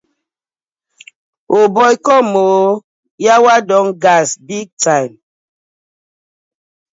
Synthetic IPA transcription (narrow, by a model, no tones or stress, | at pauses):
obɔjkɔmo | jawadɔŋɡasbiɡ̚tajm